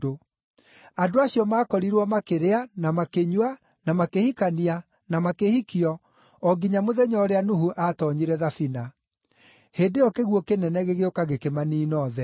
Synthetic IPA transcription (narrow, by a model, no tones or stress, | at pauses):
o | adoaɕijɔmaːkɔɾiɾwɔmakeɾeanamakeɲwa | namakehikania | namakehikiɔ | ɔɡiɲamoðɛɲɔːɾeanuhuʔatɔɲiɾɛðafina | heːdejɔkeɣwɔkenɛnɛɣeɣeokaɣekemaniːnɔːðɛ